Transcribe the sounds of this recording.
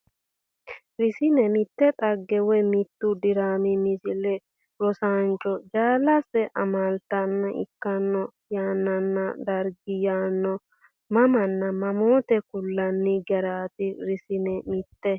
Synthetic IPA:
ɾɪsɪnɛmɪt̪ːɛt̪ʼɐɡːɛwɛmɪt̪ːʊd̪ɪɾaːmɪmɪsɪlɛ | ɾɔsant͡ʃʼːɔd͡ʒaːlɐsɛʔɐmalt̪ɐnːɐʔɪ̰kːɐnːɔjaːnːɐnːɐd̪ɐɾɡɪjaːnːɔ | mɐmɐnːɐmɐmoːt̪ɛkʊlːɐnːɪɡɛɾaːt̪ɪɾɪsɪnɛmɪt̪ːɛ

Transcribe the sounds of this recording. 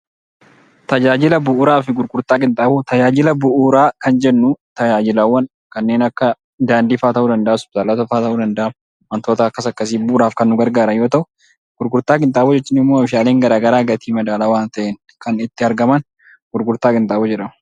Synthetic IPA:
t̪ɐd͡ʒaːd͡ʒɪlɐbʊʔːɾaːfɪɡʊɾɡʊɾt̪aːkʼɪnt̪ʼaːbɔt̪ɐd͡ʒaːd͡ʒɪlɐbʊʔuːɾaːkɐnd͡ʒɛnːut̪ɐd͡ʒaːd͡ʒɪlaːwːɐn | kɐnːeːnɐkːɐ | d̪aːnd̪iːfaːt̪ɐʔuːd̪ɐnd̪ɐʔːsʊ̥taːlɐt̪ɐfaːt̪ɐuːd̪ɐnd̪ɐʔam | mɐnt̪oːt̪ɐɐkːɐsɐkːɐs̬iːbʊʔʊɾaːfkɐnːʊɡɐɾɡaːɾɐjo̞ːt̪ɐʔʊ | ɡ̥ʊɾɡʊɾt̪aːkʼɪnt̪ʼaːbɔd͡ʒɛt͡ʃːɪnːɪmːoːfɪʃaːleːŋɡɐɾaːɡɐɾaːɡɐt̪iːmɐd̪aːlaːwaːnt̪ɐʔen | kɐnɪt̪ːɪɐɾɡɐmɐn | ɡ̥ʊɾɡʊɾt̪aːkʼɪnt̪ʼaːbɔd͡ʒɛᶑɐmɐ

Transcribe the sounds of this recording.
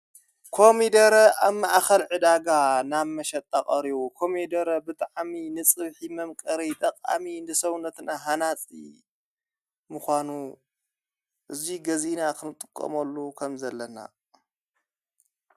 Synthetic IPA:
kʰo̞mid̪ɐɾɐʔaβmaʔxɐlʕɨd̪aɡanaβmɐʃɐt̪ʼːakʼɐɾiβukʰo̞med̪ɐɾɐbɨt̪ʼaʕminɨt͡sʼɨβħimɐmkʼɐɾit̪ʼɐkʼa̰minɨsɐwnɐt̪naɦanat͡sʼḭ | mɨxʷanu | ʔɨziɡɐzinakʰɨnɨt̪ʼɨkʼːɐ̰mɐlːukʰɐmzɐlːɐna̰

